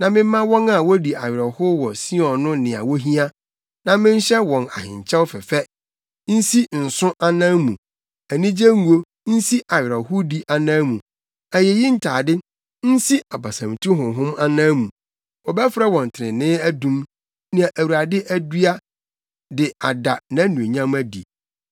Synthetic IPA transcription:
nã˨mɪ̃˦m̩˦mã˦wɔ̃˦na˨wɔ˦di˨a˨ɥɪ˨ɾɔ˨hʊ˦wɔ˨si˦ɔ̃˨nʊ̃˦nɪ̃˨a̰˨wɔ˦ɦĩ˦a˦ | nã˨mɪ̃˦n̩˦ɕɛ˦wɔ̃˨na̰˨hɪ̰̃˨ɲ˨t͡ɕʰɛ˦wfɛ˨fɛ˦ | n̩˦si˦n̩˨sʊ̃˦ʔa˦nã˦mṵ̃˨ | æ˨nĩ˦d͡ʑe˦ŋu˨o˦ | n̩˦si˦ʔa˨ɥɪ˨ɾɛ˨hʊ˦di˦ʔa˨nãː˦mũ˨ | æ˨jɛ˨ji˦n̩˨tʰaː˨dɪ˦ | n̩˦si˦a˨ba˨sã˨m˨tʰũ˦ɦʊ̃˨ɦʊ̃˦ma˦nãː˦mũ˨ | ɔ˨bɛ˦fɾɛ˦wɔ̃˨n˨tʰɪ˨ɾɪ̃˨nɪ̃˦æ˦dũ˦m | nĩ˨a˨ʔæ˨wu˨ɾa˨dɪ˦ʔæ˦du˦a˦ | dɪ˨a˨da˨nã˨˦nũ˨e˨ɲã˦mæ˦dḭ˨

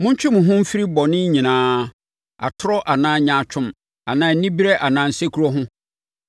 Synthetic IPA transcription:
mʊ̃˦ɲ˦t͡ɕᶣɪ˦mʊ̃˨ɦʊ̃˦m̩˦fi˦ɾi˦bɔ˨nɪ̃˦ɲĩ˨nãː˨˦ | a̰˨tʰʊ˦ɾɔ˦ʔa˨nãː˨˦˨ɲã˨t͡ɕʰᶣʊ̃˦m | a˨nãː˨n̩˦nĩ˦bi˦ɾɛ˦ʔa˨nãː˨n̩˨se˦kʰu˨ɾɔ˦ɦʊ̃˦

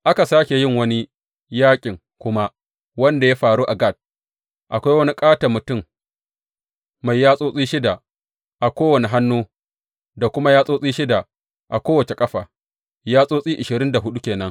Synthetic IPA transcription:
ʔa˦ka˨saː˦kʲe˨jɪ˦ŋwɐ˦ni˦ | jaː˦kʲʼɪ˨ŋ | kʷʊ˦ma˦ | wɐ˦nda˨ja˦ɸaː˨ɾuː˦ʔa˨ɡa˦˨t̚ | ʔa˨kʷa˦jwɐ˦ni˦kʼaː˦tɐ˨mʊ˨tʊ˦˨m | ma˨jːaː˦sʼoː˦sʼiː˦ʃɪ˦da˨ | ʔa˨kʷoː˦wɐ˨ni˨ɦa˦nːuː˦ | da˨kʷʊ˦ma˦jaː˦sʼoː˦sʼiː˦ʃɪ˦da˨ | ʔa˨kʷoː˦wɐ˨t͡ʃe˨kʼɐ˦ɸaː˨ | jaː˦sʼoː˦sʼiː˦ʔɪ˨ʃɪ˨ɾɪ˦nda˨ɦʊ˦ɗu˦kʲeː˨nɐ˦ŋ

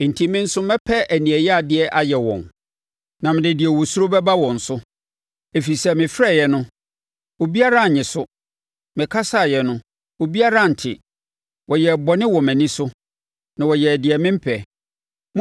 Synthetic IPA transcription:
n̩˨tʰĩ˦mɪ̃˦n̩˦sʊ˦mɛ˦pʰɛ˦ʔæ˨nĩ˨ɛ˨jɛ˦a˨dɪ˦ɛ˦ʔa˨jɛ˨wɔ̰̃˨n | nã˨mɪ̃˨dɪ˨dɪ˨ɛ˨wɔ˨su˦o˦bɛ˦ba˦wɔ̃˨n̩˨sʊ˦ | e˨fi˨sɛ˦mɪ̃˨fɾɛ˦˨jɛ˨nʊ̃˦ | o˨bi˦a˦ɾa˦˨ɲɪ̃˨sʊ˦ | mɪ̃˨kʰa˦sa˦˨jɛ˨nʊ̃˦ | o˨bi˦a˦ɾa˦˨n̩˨tʰɪ̰˨ | wɔ˨jɛ˨bɔ˨nɪ̃˦wɔ̃˨mæ̃˨nĩ˦sʊ˦ | nã˨wɔ˨jɛ˨dɪ˨ɛ˨mɪ̃˦m̩˦pʰɛ˨ | m

